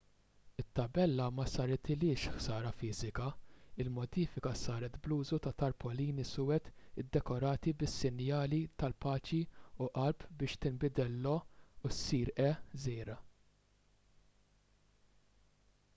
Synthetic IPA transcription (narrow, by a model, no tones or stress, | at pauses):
ɪt̪ːɐbɛlːɐmɐsɐɾt̪ɪlɪːʃħsɐːɾɐfɪːzɪkɐɪlmɔd̪iːfɪkɐsɐːɾɛt̪bluːzut̪ɐt̪ɐɾpɔliːnisʊːɛt̪ɪd̪ːɛkɔɾɐːt̪ibɪsːɪnjɐːlit̪ɐlpɐːt͡ʃiuʔɐɾpbɪːʃt̪ɪmbɪd̪ɛlːɔusiːɾʔɛzɛːɾɐ